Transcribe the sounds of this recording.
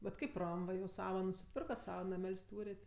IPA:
bʲɛt ˈkɐɪp ˈrɐm ˈʋɐ jɛʊ ˈsɑːʋɐ nʊsʲɪˈpʲɪrkɐt ˈsɑːʋɐ nɐˈmʲɛlʲsʲ ˈtuːrʲeːtʲ

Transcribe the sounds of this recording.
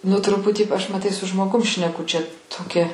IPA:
nʊ ˈtrʊpʊtʲiː ɐʃ mɐˈtɐɪ sʊ ʒmoːˈɡʊm ʃʲnʲɛˈkʊ t͡ʃʲɛ toːˈkʲɛ

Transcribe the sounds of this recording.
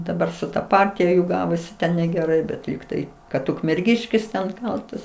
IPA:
dɐˈbɐr sʊ tɐ ˈpɐrʲtʲɪjɛ juː ˈɡɑːʋoːsʲɪ tʲɛn nʲɛɡʲɛˈrɐɪ bʲɛt ˈlʲiːktɐɪ kɐt ʊkmʲɛrʲˈɡʲɪʃʲkʲɪs tʲɛn ˈkɐlˠtɐs

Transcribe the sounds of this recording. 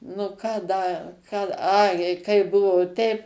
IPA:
nʊ ˈkɑː ˈdɐ ˈkɑː ˈɐɪ jɛɪ ˈkɐɪ ˈbʊʋoː ˈtʲɛɪp

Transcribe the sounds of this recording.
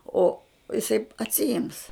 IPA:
oː ɪˈsɐɪ ɐtʲsʲɪˈɪms

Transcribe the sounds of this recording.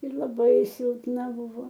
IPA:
ɪr lˠɐˈbɐɪ sʲɪlˠpˈnɐ ˈbʊʋoː

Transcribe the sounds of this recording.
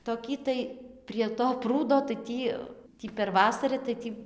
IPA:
toːˈkʲiː tɐɪ pʲrʲiɛ toː ˈpruːdoː tɐɪ ˈtʲiː ˈtʲiː pʲɛr ˈʋɑːsɐrɨ tɐɪ ˈtʲiː

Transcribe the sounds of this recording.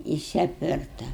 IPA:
ˈjɪs ɐpʲˈʋʲɪrtɐ

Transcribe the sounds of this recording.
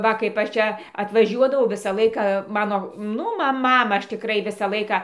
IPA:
ˈʋɐ kɐɪp ˈɐʃ ˈt͡ʃʲɛ ɐtʋɐˈʒʲuɔdɐʋɐʊ ˈʋʲɪsɐ ˈlˠɐɪkɐ ˈmɑːnoː ˈnʊ ˈmɐ ˈmɑːmɑː ˈɐʃ tʲɪˈkrɐɪ ˈʋʲɪsɑː ˈlˠɐɪkɑː

